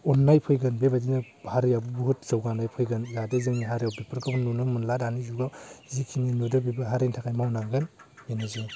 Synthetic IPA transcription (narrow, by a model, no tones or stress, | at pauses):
ɔnːajpʰɯjɡɯnbebadinɯbhaɾjabubuhut̚zawɡandajpʰɯjɡɯnjadɯzɯŋniɦaɾjawpepʰɯɾkʰɯbɯnːunɯmɯnladanizuɡazikʰininudɯbibɯɦaɾentʰakajmawnaŋɡɯnmenɯzu